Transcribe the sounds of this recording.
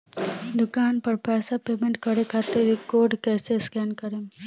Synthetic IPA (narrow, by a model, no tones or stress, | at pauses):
d̪ʊkaːnpɐɾpɛːsapeːmẽɳʈ̚kɐɾekʰaːt̪eɾikoːɾɖkɛːseskɛːnkɐɾe